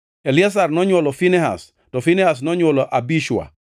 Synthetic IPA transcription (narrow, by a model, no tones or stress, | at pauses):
elias̬arnɔɲwɔlɔfinɛɦa̰s | tɔfinɛhas̬nɔɲwɔlɔʔabiʃwa̰